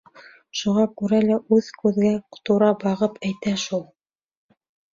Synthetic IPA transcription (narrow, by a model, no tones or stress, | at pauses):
ʃuʁɑkʉɾælæʔʉðkʉðɡæqt̪uɾɑbɑʁɤpæjt̪æʃulˠ